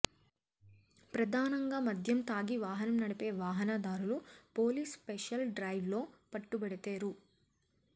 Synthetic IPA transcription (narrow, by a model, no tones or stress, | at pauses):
pɾɐd̪ʱaːnɐŋɡaːmɐd̪ʱjɐmt̪aːɡiʋaːɦɐnɐmnɐɽɐpe̞ːʋaːɦɐnɐd̪aːɾulupo̞ːliːspeʂɐlɖɾɐːjʋlo̞ːpɐʈːubɐɽit̪eːɾu